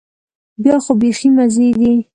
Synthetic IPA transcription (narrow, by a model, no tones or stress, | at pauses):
bjɑxobeximazed̪i